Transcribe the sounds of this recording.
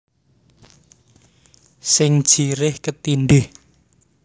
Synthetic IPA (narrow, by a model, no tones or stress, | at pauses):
sɪŋd̥ʒ̥iɾɪhkət̪inɖ̪ɪh